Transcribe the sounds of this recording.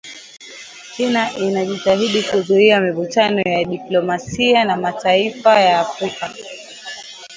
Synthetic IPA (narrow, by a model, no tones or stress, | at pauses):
t͡ʃinaʔinaʄitaɦiɗikuzuɾiamivut͡ʃanɔjaɗiplɔmasianamataifajaːfɾika